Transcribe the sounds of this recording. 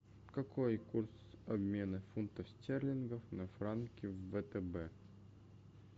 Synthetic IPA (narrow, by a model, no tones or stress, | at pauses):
kɐkʰojkursɐbmʲe̞nɨfunt̪əfsʲtʲerlʲɪnɡəfnɐfɾankʲɪvːət̪ɛbɛ